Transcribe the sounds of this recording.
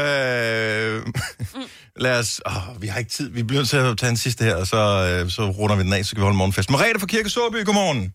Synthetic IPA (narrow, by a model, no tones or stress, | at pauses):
ø | læːɐsɒʋihɑ̈e̝ɡ̥ə̥t͡sʰið̰ˠʋib̥eɡøn̰t͡sʰe̝æt͡sʰɛ̰ːd̥ensisd̥əheɐ̰ɒsɒ̽sɒ̽ʁɔnɐʋid̥enɛ̰ːsɒkɡæʋihɒləmɒːnfesd̥meʁɛ̰ːɾ̥ɐfɒ̽kʰiɐɡ̥əsoɐb̥y̰ːɡ̥omɒːnn̩